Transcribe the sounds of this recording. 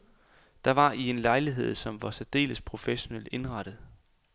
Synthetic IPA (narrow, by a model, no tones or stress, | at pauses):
d̥ɑ̈ʋɑ̈ie̝nlɑ̈ɪliɦe̝ð̰ˠsɒ̽mʋɑ̈sæd̥e̝̰ːləspʰʁo̝feɕo̝nel̰de̝nʁɑ̈ɾ̥əð̩ˠ